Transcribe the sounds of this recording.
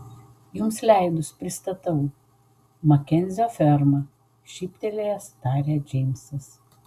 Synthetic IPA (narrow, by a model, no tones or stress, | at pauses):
jʊmslʲæɪd̪ʊspʲɾʲɪst̪ɐt̪ɐʊ | mɐkʲɛnʲzʲoːfʲɛɾmɐ | ʃʲipʲt̪ʲɛlʲejɛst̪ɑːɾʲɛd͡ʒʲɛɪmʲsɐs